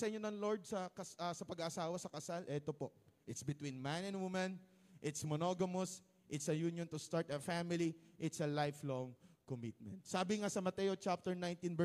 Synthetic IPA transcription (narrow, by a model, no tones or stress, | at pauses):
sɐʔɪɲonɐŋloɹd̪̚sɐkɐsɐsɐpɐɡaʔɐsaːwɐsɐkɐsalʔɛt̪opo̞ʔʔɪt̪sbɪt̪winmanɛ̃nd̪wumɐ̃nʔɪt̪smonoɡɐmos | ʔɪt̪sɐjunjont̪ʊst̪aɹt̪ɐfamɪliʔɪt̪sɐlajfloŋkomit̪̚mɛ̰̃nt̪̚saːbɪŋasɐmɐt̪ɛjot͡ʃap̚t̪ɛɹnãj̃nt̪ĩnbɛ